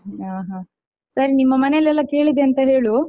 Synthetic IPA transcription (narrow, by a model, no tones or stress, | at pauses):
aːɦa | sɐɾinimːɐmɐnelɛlːɐke̞ːɭid̪eɐnt̪ɐɦe̞ːɭu